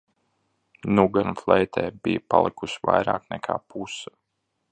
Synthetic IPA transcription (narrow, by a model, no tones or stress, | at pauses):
nuɡanflˠɛjt̪ʰɛːbijpalˠikusvajɾa̰ːknɛkʰa̰ːpʰusḁ